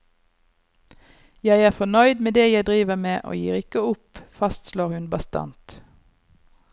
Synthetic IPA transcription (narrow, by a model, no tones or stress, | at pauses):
jæɪæːʁfɔnœʏd̪meːd̪eːjæɪd̪ʁiːʋəmeːʔo̰ːjḭːʁɪkəʊpfɑst̪sloːʁhʉnbɑst̪ɑ̰nt̪